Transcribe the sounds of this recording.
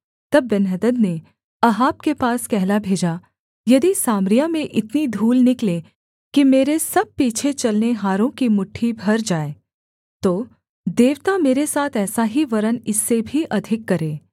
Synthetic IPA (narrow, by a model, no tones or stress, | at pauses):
t̪ɐbːɛnɦəd̪əd̪ne | ɐɦaːp̚kepaːskɛɦlabʱeːd͡ʒa | jɐd̪isaːmɾijamẽʔɪt̪nid̪ʱuːlnɪklẽ | kimeːɾesɐb̚piːt͡ʃʰet͡ʃɐlneɦaːɾõkimʊʈʰːibʱɐɾd͡ʒaːe | t̪oː | d̪eːʋt̪ameːɾesaːt̪ʰɛːsaɦiʋɐɾənɪsːebʱiʔɐd̪ʱɪkːɐɾeː